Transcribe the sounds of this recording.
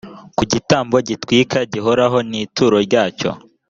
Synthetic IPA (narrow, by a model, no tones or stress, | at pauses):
kuɟitaːmbo̞ɟitwiːkaɟiɦoɾaɦo̞niːtuːɾo̞ɾɟaːco̞̰